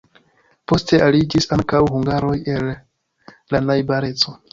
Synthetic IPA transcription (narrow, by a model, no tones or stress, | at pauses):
po̞ste̞ʔalid͡ʒisaŋkawɦuŋɡaɾo̞je̞lː | anajbaɾe̞t͡so̞